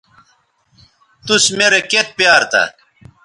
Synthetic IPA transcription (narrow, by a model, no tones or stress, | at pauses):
t̪usmeɾeket̪̚pjaːɾt̪ɐ̰